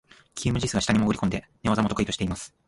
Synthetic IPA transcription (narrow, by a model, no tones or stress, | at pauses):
kʲʰiːmɯ̟ʑisɨɡaɕi̥t̪aɲ̟imoɡɯ̟ɾʲikond̪e̞ | neazamo̞t̪o̞kɯ̟it̪ɕi̥teimasɨ̥